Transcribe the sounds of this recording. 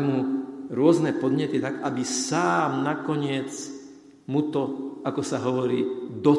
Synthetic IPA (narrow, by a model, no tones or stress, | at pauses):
muɾʊɔznɛpɔd̪ɲɛt̪it̪aɡabisaːmnakɔɲɪɛt͡s | mut̪ɔakɔsaɦɔʋɔɾiːd̪ɔ